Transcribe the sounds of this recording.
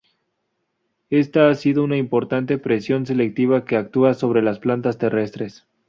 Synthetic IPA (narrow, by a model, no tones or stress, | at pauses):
e̞st̪aasiðo̞unaimpo̞ɾt̪ant̪e̞pɾe̞sjo̞nse̞le̞k̚t̪iβ̞ake̞ak̚t̪uaso̞β̞ɾe̞lasplant̪ast̪e̞re̞st̪ɾe̞s